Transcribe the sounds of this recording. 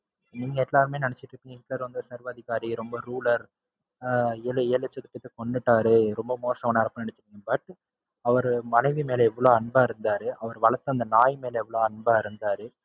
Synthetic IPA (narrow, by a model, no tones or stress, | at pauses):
niːŋɡɐɛlːaːɾɯmeːnɐɳɛt͡ʃːɪʈɾɯkːiːŋɡɐɪkːlɐɾʋɐnd̪ɯsɐɾʋɐðɪɣaːɾiɾɔmbɐɾuːlɐɾ | eleːlɐt͡ʃːɐk̪ːɯʈːɐt̪ːɯkɔɳɖɯʈːaːɾɯɾɔmbɐmoːsɐʋɐnaːɾɐpːɐnɐɳɛt͡ʃːɪʈːiːŋɡɐbɐʈ | ɐʋɐɾmɐnɐɪʋimeːlɐɛʋːɐɭoːɐɳbaːɪɾɯnd̪aːɾɯʔɐʋɐɾʋɐɭɐt̪ːɐnd̪ɐnaːjmeːlɐɛʋːɐɭoːɐɳbaːɪɾɯnd̪aːɾɯ